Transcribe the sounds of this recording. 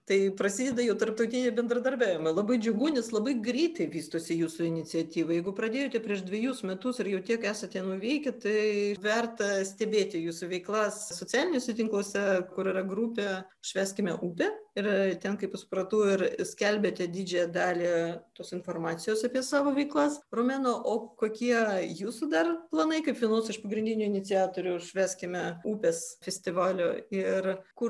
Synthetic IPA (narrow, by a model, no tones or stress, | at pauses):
t̪ɐɪpɾɐsʲiːd̪ʲɛd̪ɐjɛʊt̪ɐrp̚t̪ɐʊt̪ʲɪnʲɪbʲɛnd̪ɾɐd̪ɐrʲbʲæːʋʲɪmɐɪlˠɐbɐɪd͡ʒʲʊɡuːnʲɛslˠɐbɐɪɡɾʲiːt̪ɐɪʋʲiːst̪oːsʲɪjuːsʊɪnʲɪt͡s̪ʲɪɐt̪ʲiːʋɐjɛɪɡʊpɾɐd̪ʲeːjoːt̪ʲɛpʲɾʲiɛʃd̪ʲʋʲɛjuːsmʲɛt̪ʊsɪɾjɛʊt̪ʲiɛkæːsɐt̪ʲɛnʊʋʲɛɪkʲɛt̪ɐɪʋʲɛrt̪ɐsʲt̪ʲɛbʲeːt̪ʲɪjuːsʊʋʲɛɪklˠɑssoːt͡sʲɪɑːlʲɪnʲʊsʲɛt̪ʲɪŋklˠoɔsʲɛkʊɾɪrɐɡɾupʲɛʊʃʲʋʲæːsʲkʲɪmʲɛʔuːpʲeːɪɾt̪ʲɛnkɐɪpsʊpɾɐt̪uːɪɾsʲkʲɛlʲbʲeːt̪ʲɛd̪ʲiːd͡ʒʲɛjɛd̪ɑːlʲiːt̪oːsɪnfoːrmɑːt̪sʲɪjoːsɐpʲiɛsɑːʋoːʋʲɛɪklˠɐsroːmʲæːnoːʔoːkoːkʲiɛjuːsud̪ɐrplˠɐnɐɪkɐɪpʋʲiɛnoːsɪʃpɐɡɾʲɪnd̪ʲɪnʲʊːɪnʲɪt͡s̪ʲɪjɑːt̪oːɾʲʊʃʲʋʲæːsʲkʲɪmʲɛuːpʲɛsfʲɛsʲt̪ʲɪʋɑːlʲoːɪrkʊ